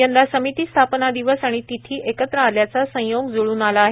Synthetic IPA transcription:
jənd̪asəmit̪iːst̪ʰapnad̪iʋəsaɽ̃it̪it̪ʰiːʔekət̪ɾəaljat͡sasə̃joɡd͡zoɭuːnalaːɦe

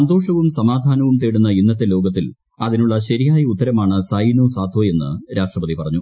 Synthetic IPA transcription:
sɐnd̪o̞ːʂɐʋumsɐmaːd̪ʱaːnɐʋumt̪eːɽunːɐinːɐt̪ːelo̞ːɡɐt̪ːil | ɐðinuɭːɐɕɐɾijaːjɐut̪ːɐɾɐmaːɳɨsɐjnuːsaːd̪ʱoːe̞nːɨ̰ɾaːʂʈrɐpɐðipɐrɐɲːu

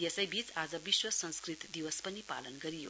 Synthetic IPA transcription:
jesʌjbit͡sad͡zʌbiswʌsʌnskrit̪d̪iwʌspʌnipa̰lʌnɡʌɾijo̰

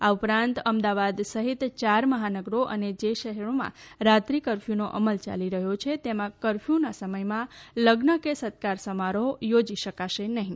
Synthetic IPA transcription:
aupɾãnt̪əmd̪aʋad̪səɦit̪t͡ʃaɾməɦanəɡɾoʔə̰ned͡ʒeʃəɦɛɾomã̰ɾat̪ɾikəɾfʰjunoʔəməlt͡ʃa̰liɾəɦot͡ʃʰet̪emãkəɾfjunasəməjmãləɡnəkesət̪̚kaɾsəmaɾojod͡ʒiʃəkaʃenəɦĩ

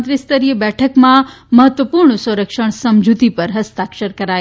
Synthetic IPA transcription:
t̪ɾist̪əɾiəbɛʈʰəkmã | məɦət̪ʋəpuɾɳsə̃ɾəkʃəɳ̃səmd͡ʒʱut̪ipəɾɦəst̪akʃəɾkəɾaj

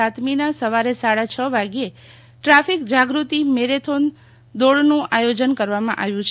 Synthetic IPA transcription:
at̪minasəʋaɾesaɽat͡ʃʰəʋaɡe | ʈɾafikd͡ʒaɡɾut̪imeɾet̪ʰon | d̪oɽnũʔajod͡ʒənkəɾʋamã̰ʔaʋjũt͡ʃʰ

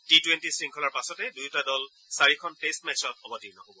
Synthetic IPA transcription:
titwentisɹiŋkʰɔlaɹpasɔtɛdujtadɔl | saɹikʰɔnpestmɛt͡ʃʰɔt̚ɔbɔtinakobɔ

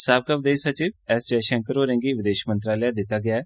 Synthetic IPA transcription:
saːb̚kaːʋɪd̪eːʃsət͡ʃiːʋɛːst͡ʃɛːʃɛ̃ŋkəɾoːɾɛ̃ːŋɡiːʋɪd̪eːʃmənt̪ɾaːlaːd̪ɪt̪ːaːɡɪaːɛː

